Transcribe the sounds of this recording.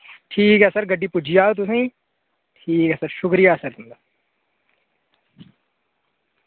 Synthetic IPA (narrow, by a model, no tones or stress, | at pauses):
ʈʰiːkɦɛsɐɾɡɐɖːipud͡ʒʱijaːot̪̬usẽː | ʈʰiːkɛːsɐɾʃʊkɾijasɐɾt̪und̪a